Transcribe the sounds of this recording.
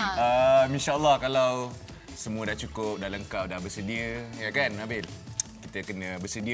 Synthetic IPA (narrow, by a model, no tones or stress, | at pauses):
əminʃaʔəlːɑhkalaw | səmũədaht͡ʃukʊp̚dahləŋkap̚dahbəsədiəjakanabɪlkit̪əkənə̃bəsədiə